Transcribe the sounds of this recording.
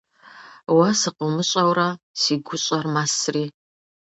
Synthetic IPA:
wasɨqəlmɨɕʷʼawrasiɡʷʊɕʼarmasri

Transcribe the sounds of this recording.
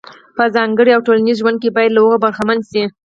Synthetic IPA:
pəzɑŋɡəɽiawʈolanizʒwand̪̚kebɑjad̪laoɣobaɾxamanzʃi

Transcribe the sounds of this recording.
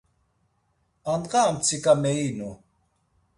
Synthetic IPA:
anɢaːmt͡sʰikʼamɛinu

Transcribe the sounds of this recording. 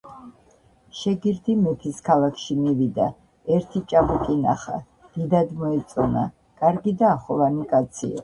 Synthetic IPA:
ʃɛɡiɾd̪imɛt̪ʰiskʰalˠakʰʃimivid̪a̰ | ɛɾt̪ʰit͡ʃʼabukʼinaχa̰ | d̪̥id̪ad̪mɔɛt̪sʼɔna̰ | kʼaɾɡid̪aːχɔvanikʼat̪sʰḭa̰

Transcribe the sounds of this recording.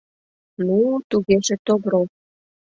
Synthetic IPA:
nut̪uɣeʒĕt̪oβɾo

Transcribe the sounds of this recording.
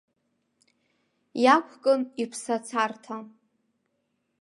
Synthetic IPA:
jakʷʰkʼɨnipʰsat͡sʰartʰa

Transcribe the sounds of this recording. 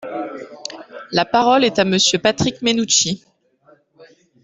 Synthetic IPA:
lapaʁɔlɛt̪aməsjøpat̪χikmenut͡ʃi

